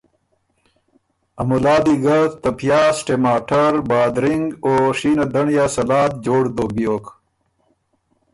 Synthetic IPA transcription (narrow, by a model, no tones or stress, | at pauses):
ɐmulaːd̪iɡɐt̪ɐpjaːsʈemaːʈɐɾbaːd̪ɾiŋɡoːʂiːnɐd̪ɐɳjaːsɐlaːt̪̚d͡ʑoːɽd̪oːbijoːk